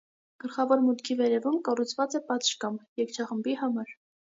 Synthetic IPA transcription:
ɡ̥əlχɑvɔɾmut̪kʰivɛɾɛvumkɑrut͡sʰvɑt͡sɛpɑt̪ʃkɑmjɛkt͡ʃʰɑχəmbihɑmɑɾ

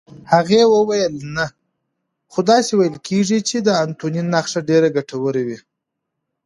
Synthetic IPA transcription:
haɣewəwajəlna | xod̪ɑsewajəlkʰeʐit͡ʃed̪əant̪oninːaxʂaɖeɾaɡaʈawəɾewi

